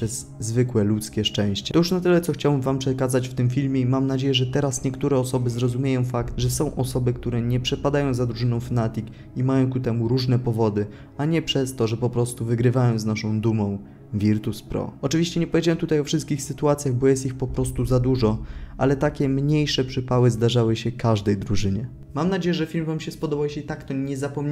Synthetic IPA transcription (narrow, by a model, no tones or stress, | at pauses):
ʂɛzːvɘkwɛlut̪skʲɛʂt͡ʂɛ̃w̃ɕt͡ɕɛt̪ɔjuʂnat̪ɘlɛt̪sɔxt͡ɕawɛmvampʂɛkazat͡ɕft̪ɘmfʲilmʲjɛimamnad͡ʑejɛʐɛt̪ɛɾasɲɛkt̪uɾɛɔsɔbɘzɾɔzumʲjejɔ̃w̃fakt̪ʐɛsɔ̃w̃ʔɔsɔbɘkt̪uɾɛɲɛpʂɛpad̪ajɔ̃w̃zad̪ɾuʐɘnɔ̃w̃fanat̪ʲik | imajɔ̃w̃kut̪ɛmuɾuʐnɛpɔvɔd̪ɘ | aɲɛpʂɛst̪ɔʐɛpɔpɾɔst̪uvɘɡɾɘvajɔ̃w̃znaʂɔ̃w̃d̪umɔ̃w̃ | vʲiɾt̪uspɾɔ̰ɔt͡ʂɘvʲiɕt͡ɕɛɲɛpɔvʲed͡ʑawɛmt̪ut̪ajɔfʂɘst̪̚kʲixsɘt̪uat̪sʲjaɣbɔjɛst̪ixpɔpɾɔst̪uzad̪uʐɔʔa̰lɛt̪akʲɛmɲejʂɛpʂɘpawɘzd̪aʐawɘɕɛkaʐd̪ɛjd̪ɾuʐɘɲɛ | mamnad͡ʑejɛʐɛfʲilmvamɕɛspɔd̪ɔbawjɛɕɛit̪akt̪ɔɲɛzapɔmɲ